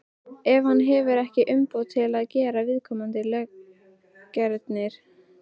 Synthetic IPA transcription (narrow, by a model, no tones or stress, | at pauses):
ɛvhanːɦɛvʏɾɛhcɪʔʏmpowt̪ʰɪlaðcɛːɾavɪðkʰɔːmant̪ɪlœ | cːɛɾt̪nɪɾ̥